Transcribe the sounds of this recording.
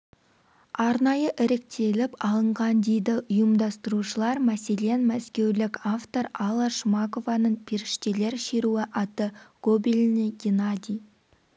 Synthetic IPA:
ɑɾnɑjəʔɪɾɪk̚t̪ʰe̞lɪpɑlˠəɴʁɑnd̪ejd̪ɪʔʊjəmd̪ɑst̪əɾuʃəlˠɑɾmæse̞le̞nmæskʲe̞wlɪkʲaft̪o̞ɾɑlˠɑʃmɑko̞vɑnəɴpʲʰeɾɪʃt̪e̞le̞ɾʃe̞ɾuɪʔɑt̪əɡ̥obilʲnɪɡʲenad̪ʲij

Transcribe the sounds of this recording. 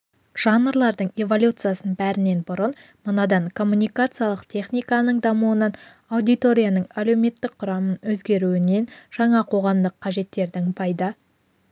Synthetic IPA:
ʒ̥ɑnːəɾlˠɑɾd̪əɴe̞vo̞lʲut̪sɨjasənbæɾɪne̞nbʊɾən | mənɑd̪ɑɴkʰo̞mːunʲijkat̪sɨjalˠəqt̪ʲʰe̞χnʲijkanəɴd̪ɑmuənɑn | awd̪ijt̪o̞ɾʲijanəɴæle̞wme̞t̪ːɪk̚qʰʊɾɑmənwɵzɡʲe̞ɾuɪne̞nʒ̥ɑɴɑqʰo̞ʁɑmd̪əqʰːɑʒe̞t̪ːe̞ɾd̪ɪŋpʰɑjd̪ə

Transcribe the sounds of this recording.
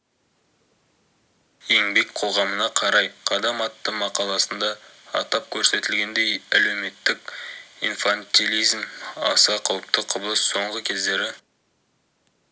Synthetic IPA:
e̞ŋbe̞kqʰo̞ʁɑmənɑqʰɑɾɑjqʰɑd̪ɑmɑt̪ːəmɑqɑlˠɑsənd̪ɑ̰ːt̪ɑp̚kʲʰɵɾse̞t̪ɪlɡʲe̞nd̪e̞jæle̞wme̞t̪ːɪk̚ʲḭnfant̪ʲilʲˠijzmɑ̰sɑqʰɑwəp̚t̪əqʰʊblˠəsːo̞ɴʁəkʲʰe̞zd̪e̞ɾɪ

